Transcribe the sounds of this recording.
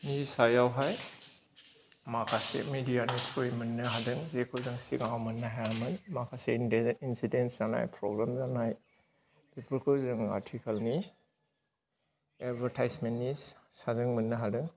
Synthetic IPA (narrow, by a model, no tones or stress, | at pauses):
nisajawɦaj | makʰasḛmidijanipʰojmənːɯɦadɯŋzekʰɯwzɯŋsiɡawmɐnːaɦajamɯnmakʰaseindeinsidensana̰jpʰɾɔ̰ɡɾamzanaj | bipɯɾkʰɯzɯŋa̰tʰikʰalni | edbɐɾtʰajsmenːisazɯŋmɯnːɯɦadɯŋ